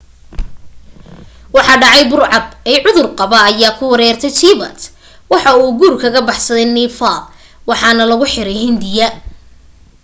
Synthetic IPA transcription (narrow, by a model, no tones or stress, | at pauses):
wɑħɑɖɑʕɑjbʊrʕɑbɛʕʊðʊrqɑβɐːjaːkʰʊwɐɾɛːrt̪ʰɛjt͡ʃʰiβɐ̰t̪ | wɑħɑuːɡuːrkʰɐɣɐbɑħsɐðɛjnifa | wɑħɑnɐlɐɣʊħɪɾɛjhɪnd̪ɪjɐ